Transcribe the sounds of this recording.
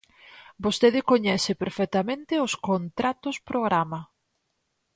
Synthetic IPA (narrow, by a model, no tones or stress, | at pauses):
bost̪eðɪkoɲɛsɪpeɾfɛt̪ɐmẽnt̪ɪoskont̪ɾat̪ʊspɾoɣɾamɐ